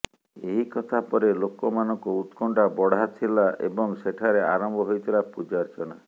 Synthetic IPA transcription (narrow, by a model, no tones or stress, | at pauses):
eɦikɔt̪ʰapɔɾelokɔmanɔŋkuut̪kɔɳʈabɔɽ̤at̪ʰilaʔḛbɔŋseʈʰaɾeaɾɔmbʱɔɦojt̪ʰilapud͡ʒaɾt͡ʃʰɔɽ̃a